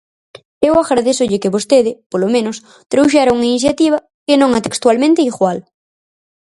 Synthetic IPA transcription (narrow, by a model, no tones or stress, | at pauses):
ewaɣɾaðesʊʎɪkɪβost̪eðɪpolomẽnʊs | t̪ɾowʃ̬aɾauŋainiθ̬jat̪iβ̞ɐ | kɪnõŋat̪ekst̪walmẽnt̪eiɣwal